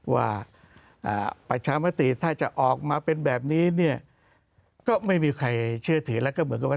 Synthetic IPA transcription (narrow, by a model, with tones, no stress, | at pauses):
wa̰ː˥˩ | ʔa̰ː˨˩pa˧t͡ɕʰaː˧ma˦˥t̪i˨˩t̪ʰaː˥˩t͡ɕa˨˩ʔɔː˨˩k̚maː˧pe˧nbɛː˨˩p̚niː˦˥ni˥˩ɐ | kɔː˥˩ma˥˩jmiː˧kʰa˧jt͡ɕʰɯ˥˩ɐt̪ʰɯː˩˦lɛ˦˥wkɔː˥˩mɯ˩˦nk̚ːa˧